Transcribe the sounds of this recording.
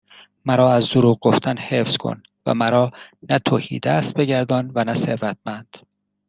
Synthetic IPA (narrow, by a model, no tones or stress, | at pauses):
mæɾɒːæzd̪oɾuːɣɡoft̪ʰænhe̞fz̥kʰo̰n | væ̰mæɾɒːnæt̪ʰoːhḭːd̪æst̪̚be̞ɟæɾd̪ɒːnvænæseɾɾæt̪̚ʰmænd̪̥